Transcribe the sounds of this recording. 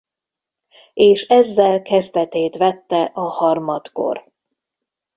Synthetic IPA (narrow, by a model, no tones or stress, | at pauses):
eːʃɛzːɛlkɛzd̪ɛt̪eːt̪ʋɛt̪ːɛʔɒhɒrmɒt̪ko̞̰r